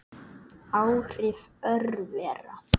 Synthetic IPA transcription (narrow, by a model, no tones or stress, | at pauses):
awɾɪfœrvɛra̰